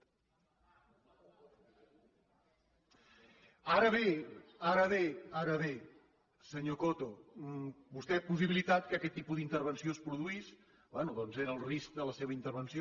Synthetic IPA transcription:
aɾəβeaɾəβ̞eaɾəβe | səɲokot̪o | bust̪ɛpus̬iβilit̪at̪̚kəkɛt̪ːipuðint̪əɾβənsiospɾuðuis | bwɛnuðɔnzeɾəlˠrisk̚d̪ələseβəint̪əɾβənsio

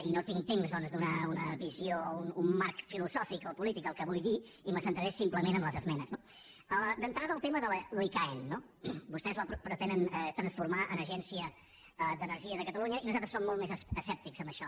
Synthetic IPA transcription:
inot̪iŋt̪emzðɔnzd̪unaunəβiziounumːaɾkfiluzɔfikɔpulit̪ikəlˠkəβujði | iməsənt̪ɾəɾesimpləmenəmləzəzmɛnəzno | əd̪ənt̪ɾaðəːlˠt̪eməðəlloikaenːo | bust̪ɛzləpɾpɾət̪ɛnənɛt̪ɾənsfuɾmaʔənəʒɛnsiə | əd̪ənəɾʒiəðəkət̪əluɲəinuzat̪ɾəsomːɔlˠt̪mezəsɛp̚t̪ikz̥əmbəʃɔ

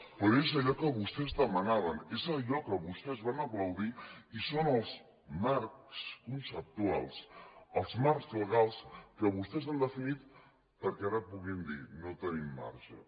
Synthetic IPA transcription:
pɔezəʎɔkəβust̪ɛzðəmənaβənezəʎɔkəβust̪ɛzβanəpləwðiisonəlˠz | maɾkskunsəp̚t̪ua̰lˠsəlˠzmaɾkzləɣ̞alˠskəβust̪ɛzand̪əfinit̪ | pəɾkɛaɾəpuɣind̪ḭnot̪ənimːa̰ɾʃə̰

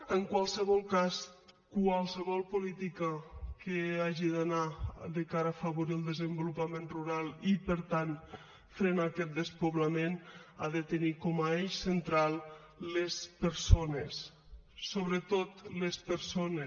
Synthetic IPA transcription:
əŋkwalˠsəβɔlˠkaskwalˠsəβɔlˠpulit̪ikəkeaʒiðanaðəkaɾəːfəβuɾiəlˠd̪əzəmbulupamenruɾalˠipəɾt̪an | fɾenakɛt̪̚d̪əspoβlamena̰ðət̪ənikɔmaesənt̪ɾalˠː | espəɾsonesː | oβɾət̪ot̪lespəɾsones

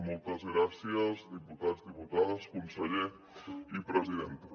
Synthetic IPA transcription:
mɔlˠt̪azɣɾasiazdiput̪azdiput̪aðaskunseʎe | ipɾeziðent̪

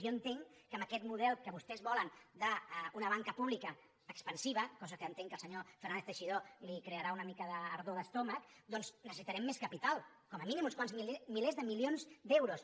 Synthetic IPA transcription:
oənt̪eŋkəməkɛt̪muðɛlˠkəβust̪ɛzβɔlənd̪aunəβ̞aŋkəpuβlikəː | kspənsiβəkɔzəkəːnt̪eŋkəlˠsəɲofeɾrnanest̪əʃiðolikɾeəɾaunəmikəðəːɾðoðəst̪ɔməkd̪ɔnznəsəsit̪əɾɛmːeskəpit̪alˠ | kɔməminimunskwanzmimilezðəmilionzd̪ɛwɾus

